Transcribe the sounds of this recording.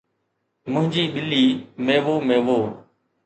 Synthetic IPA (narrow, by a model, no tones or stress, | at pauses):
mʊ̃ɦɪ̃ɲd͡ʑiːɓɪlːiːmẽːʋoːmẽːʋoː